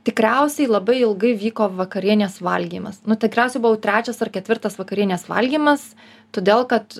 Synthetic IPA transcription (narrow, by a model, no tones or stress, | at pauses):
t̪ʲɪkɾʲɛʊsʲɛɪlˠɐbɐɪɪlˠɡɐɪʋʲiːkoːʋɐkɐɾʲiɛnʲeːsʋɐlʲɡʲiːmɐsnʊt̪ʲɪkɾʲæˑʊsʲɛɪbʊʋɐʊt̪ʲɾʲæːt͡ʃʲɛsɐrkʲɛt̪ʲʋʲɪrt̪ɐsʋɐkɐɾʲiɛnʲeːsʋɐ̰lʲɡʲiːmɐs | t̪oːd̪ʲeːlˠkɐt̪